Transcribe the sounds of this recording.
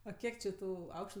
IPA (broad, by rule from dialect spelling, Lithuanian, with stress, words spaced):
ˈɐ ˈkʲiɛk t͡ʃʲɪ ˈtuː ˈɐʊkʃtʊ